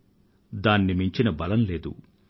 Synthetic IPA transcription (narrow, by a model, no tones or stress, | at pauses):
d̪aːnːimiɲt͡ʃinɐbɐlɐmle̞ːd̪ṵ